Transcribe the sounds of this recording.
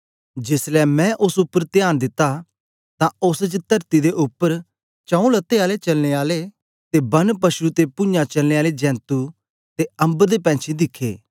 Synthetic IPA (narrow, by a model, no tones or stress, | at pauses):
d͡ʒɪslɛmɛ̃ʔʊsʊpːəɾt̪ɪjaːnd̪ɪt̪ːa | t̪ãʊsd͡ʒt̪ɐɾt̪id̪eʔʊpːəɾ | t͡ʃãũlɐt̪ːeaːlet͡ʃɐlneaːle | t̪ebɐnpɐʃut̪epʊ̃ɲãt͡ʃɐlneːaːled͡ʒɛ̃ːnt̪u | t̪eɐ̃mbd̪epɛ̃ːt͡ʃʰid̪ɪkʰːḛː